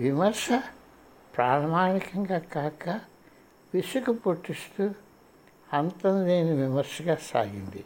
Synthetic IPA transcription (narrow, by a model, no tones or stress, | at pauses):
ʋimɐɾʂɐ | pɾaːɾmaːnikɐŋɡaːkaːkɐ | ʋiʂukupoʈːist̪uː | ɐnt̪ɐnd̪eːniʋimɐɾʂɐɡaːsa̰ːɡind̪i